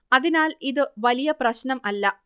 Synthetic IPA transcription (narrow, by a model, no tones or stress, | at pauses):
ɐðinaːliðɨʋɐlijɐprɐɕnɐmɐlːɐ